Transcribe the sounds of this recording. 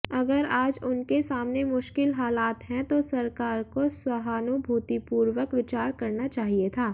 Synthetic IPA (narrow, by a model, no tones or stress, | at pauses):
ɐɡəɾaːd͡ʒʊnkesaːmnemʊʃkɪlɦaːlaːt̪ɦɛ̃t̪osɐɾkaːɾkoswɐɦaːnubʱuːt̪ipuːɾwəkʋɪt͡ʃaːɾkɐɾnat͡ʃaːɦiet̪ʰaː